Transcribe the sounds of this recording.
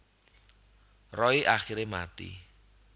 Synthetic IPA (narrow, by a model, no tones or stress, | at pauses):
rɔiʔaχiɾemat̪ḭ